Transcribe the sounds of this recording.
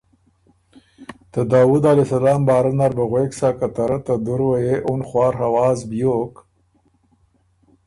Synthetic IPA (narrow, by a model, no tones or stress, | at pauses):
t̪ad̪ɑːwud̪alesalɑːmbɑːɾanaɾbaɣweːksaːkat̪aɾat̪ad̪ʊɾwajeʔunχwɑːɾɦawɑːzbjok